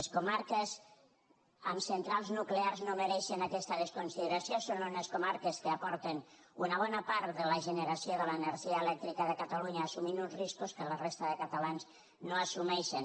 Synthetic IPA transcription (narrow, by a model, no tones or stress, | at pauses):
eskumaɾkəz | əmsənt̪ɾalˠznuklearznoməɾɛʃənakɛst̪əðəskunsiðəɾasiosonuneskumaɾkəskəapɔɾt̪en | unəβ̞ɔnəpaɾt̪ðələʒənəɾasioðələːnəɾʒiəelɛk̚t̪ɾikəðəkət̪aluɲaːsuminunzriskuskələrest̪əðəkət̪alanz | noasumɛʃən